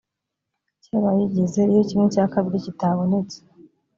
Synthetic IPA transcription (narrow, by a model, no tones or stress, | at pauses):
ceβajiɟeze̞ijo̞cimŋecaːkaβɾicitaβo̞ne̞t͡se̥